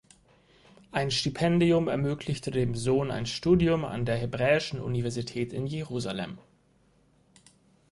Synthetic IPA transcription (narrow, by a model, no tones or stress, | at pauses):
ʔaɪnʃtipʰɛndiʊmɛɐmøːklɪçtʰədeːmzoːna̰ɪnʃtuːdiʊma̰ndeːɐɦebʁɛːɪʃn̩ʔṵnivɛɐzitʰɛːtɪnjeʁuːzalɛ̰m